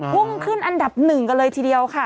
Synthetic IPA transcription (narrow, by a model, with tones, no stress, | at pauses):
pʰu˥˩ŋkʰɯ˥˩nʔa˧nda˨˩p̚nɯ˨˩ŋka˧nlɤː˧jt̪ʰiː˧di˧əwkʰa˥˩